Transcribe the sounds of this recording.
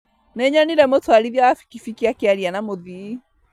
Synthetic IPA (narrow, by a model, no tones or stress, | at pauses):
nɛɲanilɛmɔtoaliðjawafi̥kifikiakiaɾianamoði